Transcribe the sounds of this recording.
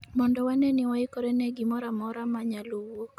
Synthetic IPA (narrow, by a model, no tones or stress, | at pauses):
mɔndɔwanɛnɪwaɪkɔɾenɛɡimɔɾamɔɾamaɲalowok